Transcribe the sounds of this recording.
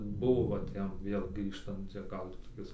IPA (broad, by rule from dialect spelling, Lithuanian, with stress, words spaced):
ˈbʊʋoː ʋɐ ˈtʲiɛm ˈʋʲeːlˠ ˈɡrʲiːʃtɐnt ˈt͡ʃʲɛ ˈɡɐlˠ tʲɪ toːˈkʲɪs